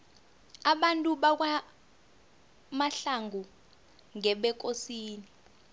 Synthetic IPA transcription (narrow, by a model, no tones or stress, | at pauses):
aɓantʼuɓak̬wa | maɬaŋʱu | ŋɛɓɛk̬ʼosiːni